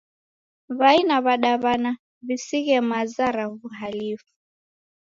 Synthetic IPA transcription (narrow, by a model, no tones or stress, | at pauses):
βainaβaɗaβana | βisiɣɛmazaɾaβuɦalifu̥